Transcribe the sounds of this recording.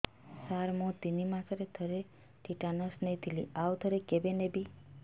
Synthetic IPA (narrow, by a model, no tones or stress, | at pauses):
saɾmõt̪inimãsəɾet̪ʰəɾe | ʈiʈanɔsnəjt̪iliawt̪ʰəɾekebenebi